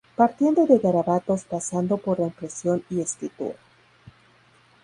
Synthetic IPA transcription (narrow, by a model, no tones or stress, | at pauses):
paɾt̪je̞nd̪o̞ðe̞ɣaɾaβat̪o̞spasand̪o̞po̞ɾlaimpɾe̞sjo̞niesk̪it̪ṵɾa